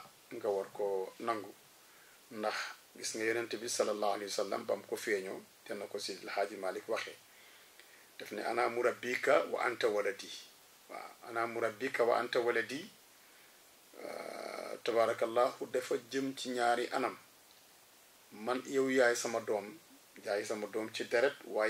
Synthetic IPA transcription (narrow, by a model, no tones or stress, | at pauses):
ŋɡawaɾkɔnaŋɡu | ndɐxɡisŋɡajɔnantɛbisɐlːalːaːhalehwasalːa̰mba̰mkɔfɛːɲɔtɛnːakɔsilhaːɟimaːlikwaxɛ | d̥ɛfnɛ̰ʔa̰namuɾabːikːawa̰ʔa̰ntɐwalɐdi | wa̰a̰namuɾɐbikːɐwa̰ʔa̰ntɐwɐlɐdi | tabaːɾɐkɐlːaːhudɛfɐɟəmciɲaːɾiʔɐnɐm | ɐnjɐwjaːjisɐmɐdɔːm | jaːjisɐmɐdɔːmt͡ʃidɛɾɛt̚waː